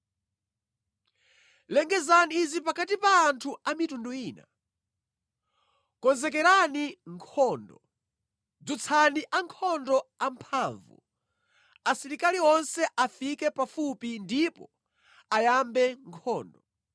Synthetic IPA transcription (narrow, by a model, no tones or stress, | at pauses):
lɛŋɡɛzaniːzip̬akat̬ipaːntʰuamitunduiːna | kɔnzɛkɛɾaniŋkʰɔːndɔ | d͡zut͡sʰaniʔaŋkʰɔndɔampʰaɱvṵ | asiɾikaliɔnsɛʔafikɛpafupindipɔ | ajambɛŋkʰɔːndɔ